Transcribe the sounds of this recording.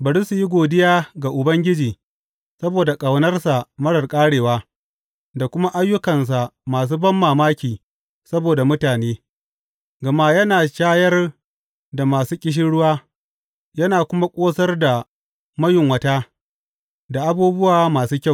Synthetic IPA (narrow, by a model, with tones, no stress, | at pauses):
bɐ˨ɽi˦su˨ji˦ɡʷoː˨dɪ˦jaː˦ɡa˨ʔʊ˨bɐ˦ŋɡʲɪ˦d͡ʒiː˨ | sɐ˦boː˨da˨kʼɐ˨wnɐ˦rsa˨mɐ˦ɽɐ˨rkʼaː˦ɽeː˨waː˦ | da˨kʷʊ˦ma˦ʔa˦jːʊ˦kɐ˨ns̬a˨maː˨s̬uː˦bɐ˦mːaː˨maː˦kʲiː˨ | sɐ˦boː˨da˨mʊ˦taː˨neː˦ | ɡɐ˨ma˦jɐ˦naː˨ʃaː˦jɐ˦r | da˨maː˨suː˦kʲʼɪ˦ʃ̬ɪ˦ɽʊ˦waː˦ | jɐ˦naː˨kʷʊ˦ma˦kʷʼoː˦sɐ˦rda˨ | mɐ˦jɪ˨ŋwɐ˦ta˦ | da˨ʔa˦buː˦bʊ˦waː˨˦maː˨suː˦kʲa˦˨